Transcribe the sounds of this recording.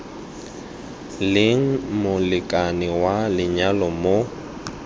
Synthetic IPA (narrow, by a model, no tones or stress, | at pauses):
lɪŋ̩mʊlɪkʼanɪwalɪɲalɔmo